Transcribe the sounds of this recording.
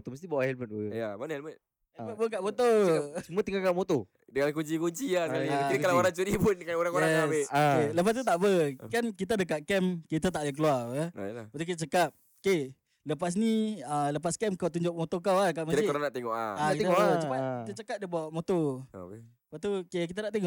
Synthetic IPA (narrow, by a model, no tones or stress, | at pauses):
ot̪oməs̬t̪ibawaʔhɛlmət̪̚ujamanhɛlmət̪̚ | hɛməpuk̬aʔmot̪osəmuət̪iŋɡalkamot̪o | dəŋankuɲt͡ʃikuɲt͡ʃiakaaidkalawaɾaŋt͡ʃuɾipʊnkanoɾaŋoɾaŋɛabekeləp̬as̬t̪ut̪aʔbəkankit̪̬adək̬akɛmkit̪at̪̬aʔlak̬əluaə̰jlapat̪ukit̪at͡ʃəkap̚ | ke | ləpas̬niələpaskɛmkawt̪̬uɲd͡ʒʊʔ̚mot̪okawakamat̪aikɾanaʔt̪eŋɔ̰ʔa̰aakieaat͡ʃəpakit̪at͡ʃəkap̚dəbawaʔmot̪o̰ke | pat̪ukek̬it̪anaʔt̪eŋɔʔ